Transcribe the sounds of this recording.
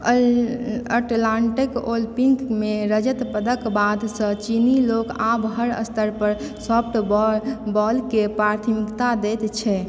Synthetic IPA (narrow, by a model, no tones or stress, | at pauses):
əʈlãɳʈikolpiŋkmeɾəd͡ʒət̪pəd̪əkbad̪sə̃t͡ʃinilokabɦəɾə̰st̪ʰəɾpəɾ | sɔpʰʈbbɔlkepɾaɾt̪ʰəmikt̪ad̪ɛt̪t͡ʃʰɛ